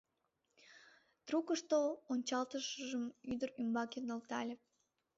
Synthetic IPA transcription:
t̪rukəʃt̪oonʲt͡ɕɑlt̪əʃəʒəmyd̪əɾymbɑkenəlt̪ɑ̰lʲe

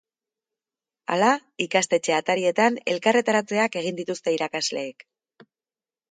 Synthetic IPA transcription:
a̰laikast̪e̞t͡ʃe̞at̪aɾie̞t̪ane̞lkare̞t̪aɾat͡se̞ake̞ɣ̞ind̪it̪ust̪e̞iɾakazle̞ːk

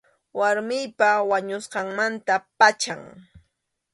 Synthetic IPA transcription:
waɾmɪjpawaɲʊsqɑŋmant̪apat͡ʃaŋ

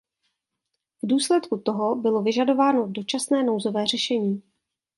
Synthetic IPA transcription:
vduːslɛt̪kut̪o̞ɦo̞bɪlo̞vɪʒado̞vaːno̞do̞t͡ʃasnɛːno̞wzo̞vɛːr̝ɛʃɛɲiː

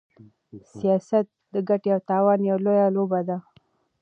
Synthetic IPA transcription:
sijɑsat̪̚d̪əɡaʈeawt̪ɑwɑnjawlojalobad̪a

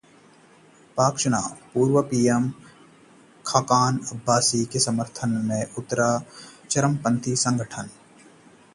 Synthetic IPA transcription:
paːkʃɐna̰ːpuːɾʋəpiːjem | kʰaːkaːnɐbʱːaːsikesɐməɾt̪ʰənmẽʊt̪ːəɾat͡ʃɐɾəmpɐ̃nt̪ʰisɐ̃ŋɡʱəʈʰən

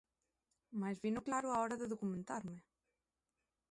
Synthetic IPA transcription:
majzβinʊklaɾʊaɔɾɐðeðokumẽnt̪aɾmɪ

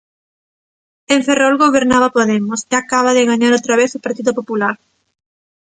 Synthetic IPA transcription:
eɱferolɣoβeɾnaβapoðemʊsɪakaβ̞aðɪɣaɲaɾowt̪ɾaβeθopaɾt̪iðopopulaɾ

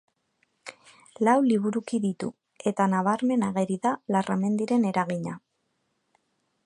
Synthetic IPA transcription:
lawliβ̞uɾukiðit̪u | e̞t̪anaβaɾme̞naɣe̞ɾiðalarʔame̞nd̪iɾe̞ne̞ɾaɣiɲa

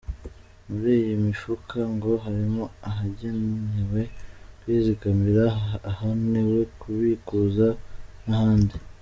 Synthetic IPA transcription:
muɾiːjimifukʰaŋɡo̞ɦaɾimo̞aɦaɟenuɲiwe̞kwiːziɡamiɾaːhanewe̞kʰuβikuzanahaːndi

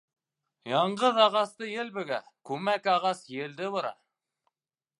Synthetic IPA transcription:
jɑɴɢɤðɑʁɑst̪ɤjɘlbɘ̆ɡækʉmækɑʁɑsjɘ̆ld̪ɘβŏɾɑ̰

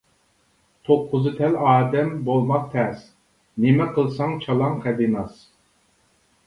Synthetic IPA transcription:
t̪ʰoqʰːʊzɨt̪ʰɛlɑːd̪ɛmbolˠmɑq̚t̪ʰɛs | nɪmɛqʰəlˠsɑŋt͡ʃʰɑlˠɑŋqʰɛd̪inɑs

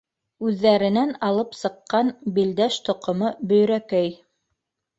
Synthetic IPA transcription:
ʉðːæɾɘ̆nænɑlˠɤpsɤ̆qːɑnbild̪æʃt̪ŏqŏmɤbɵ̆jɾækæj

